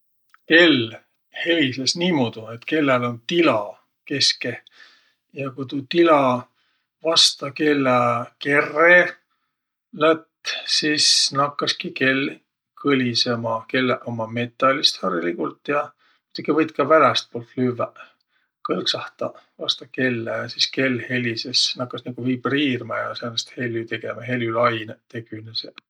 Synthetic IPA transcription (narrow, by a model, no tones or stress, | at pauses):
ke̞l | he̞vislesniːmod̪̥ue̞t̪ke̞lːelo̞nt̪ilɑ | ke̞ske | jɑkujt̪ut̪ilɑ | vɑst̪ɑke̞lːæke̞rːe | læt̪ːsiːsnɑkːɑskike̞l | kʰɤlʲisemɑke̞lːʔomɑme̞t̪ˑːɑlʲist̪hɑrilikult̪jɑ | mi̥t̪ukivɤjt̪kɑvælæst̪̚poːlt̪lyvːæ | kɤlksɑht̪ɑ̰vɑst̪ɑke̞lːæsiske̞lːhe̞lisesnɑkːˑɑsnɑɡ̥uviːb̥riːrmɑjɑseɑnest̪he̞lʲːyt̪e̞ɡemɑɦe̞ljylɑjnt̪e̞ɡ̥ynese